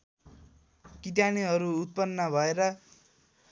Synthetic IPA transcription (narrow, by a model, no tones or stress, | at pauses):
kit̪̬janiɦʌɾuːt̪̚pʌnːʌbʱʌeɾʌ